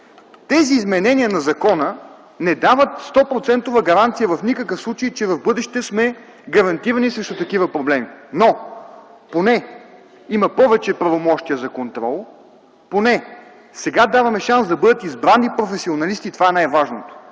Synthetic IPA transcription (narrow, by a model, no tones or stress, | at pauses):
t̪ɛziːzmɛnɛniənɐzɐkɔnə | nɛd̪avət̪st̪ɔpɾot̪sɛnt̪ovəɡɐɾant̪sijəvɐfnikəkɤfslˠut͡ʃejt͡ʃɛvɐvbɤd̪ɛʃt̪ɛsmɛ | ɡɐɾɐnt̪iɾɐnisɾɛʃt̪ot̪ɐkivəpɾoblɛmino | ponɛ | imɐpɔvɛt͡ʃɛpɾɐvomɔʃt̪ijəzɐkont̪ɾɔ̰lˠ | ponɛ | sɛɡad̪avɐmɛʃansd̪ɐbɤd̪ət̪izbɾanːipɾofɛsionɐlist̪it̪ovaɛnajvaʒnot̪o̥